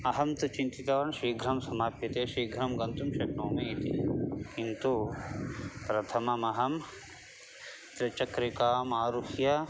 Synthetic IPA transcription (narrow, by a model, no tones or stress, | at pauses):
ɐɦɐmt̪ut͡ʃint̪it̪ɐʋɐɳʃɾiːɡʱɾɐmsɐmaːpjɐt̪eːʃɾiːɡʱɾɐmɡɐnt̪umʃɐknoːmeit̪ikint̪u | pɾɐt̪ʰɐmɐmɐɦɐm | t̪ɾɐt͡ʃɐkɾikaːmaːɾuhjɐ